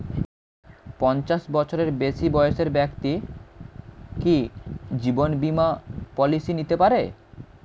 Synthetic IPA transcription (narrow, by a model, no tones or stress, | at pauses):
pɔnt͡ɕaʃbɔt͡ɕʰoɾeɾbesibɔjeʃeɾbɛkt̪i | kid͡ʑibonbimapɔlisinit̪epaɾe